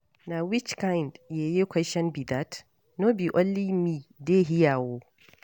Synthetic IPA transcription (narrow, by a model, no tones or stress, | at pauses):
nawɪt͡ʃkajndjajekʷʰɛʃɛnbidat | nobiʔɔlːimiːdeːɦɪjaːwoː